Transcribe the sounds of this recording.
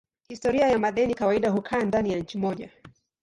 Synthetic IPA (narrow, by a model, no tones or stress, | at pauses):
histɔɾiajamaɗɛnikawaiɗaɦukʰaːndanijaɲ̩t͡ʃimɔʄa